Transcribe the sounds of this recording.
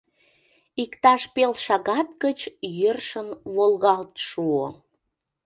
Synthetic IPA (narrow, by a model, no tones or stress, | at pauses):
ikt̪ɑʃpelʃɑɣɑt̪̚kət͡ɕjərʃənβolɣɑlt̪ʃuo